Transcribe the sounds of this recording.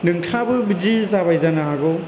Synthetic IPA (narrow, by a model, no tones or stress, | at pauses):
nɯŋtʰabɯbɯzizabajzanaɦaɡɔ